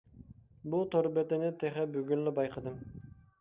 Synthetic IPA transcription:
bʊt̪ʰoɾbɛt̪ɪnɪt̪ʰeχɛbyɡʲynlɪbɑjqʰɑd̪ɨm

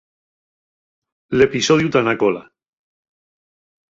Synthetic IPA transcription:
le̞pisoð̞jut̪anakola

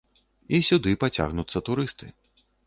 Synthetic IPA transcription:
isʲud̪ɨpat͡sʲa̰ɣnut̪sːɐt̪uɾɨst̪ɨ

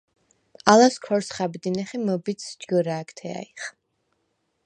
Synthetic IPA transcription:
alaskʰɔɾsχabd̪inɛχɛmɔbit̪sd͡ʒɡɔɾaːkʰt̪ʰɛa̰iχ

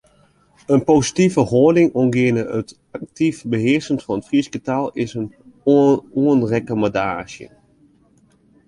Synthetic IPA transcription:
ənpowsitivəhoːdɪŋɔnɡɪənəət | ak̚tifbəɦɪəɹsəntfɔnətfriskətalˠɪsən | uənrɛkomadaːʒjə̰

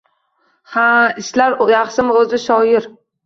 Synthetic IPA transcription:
haɪʃlaɾjɑχsɪmɵzɪʃɒjɪɾ

